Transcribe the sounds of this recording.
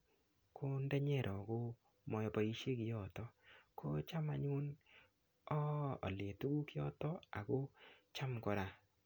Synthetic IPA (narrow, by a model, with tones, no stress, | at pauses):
kʰo˦ndɛ˦ɲɛ˦˨ɾʔɔ˨ko˦ | mɔ˨jɔ˨pa˨i˦ʃe˦kɪ˨jɔ˦˨tɔ˦kʰo˦t͡ʃa˦ma˨ɲu˦n | ɔ̰ː˦˨le˨tu˦ɡu˦kɪ˦ɔ̰˦tɔ˦a̰˨ko˦t͡ʃa˦mkɔ˨ɾa˨